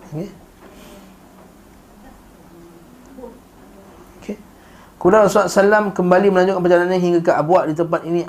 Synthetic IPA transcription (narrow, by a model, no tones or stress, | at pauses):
ke | okʰe | kulaasasalamkəmbaliməlaɲd͡ʒʊʔkanpəd͡ʒalanaɦiŋɡakaʔabuaʔdit̪əmpat̪̚inĩʔ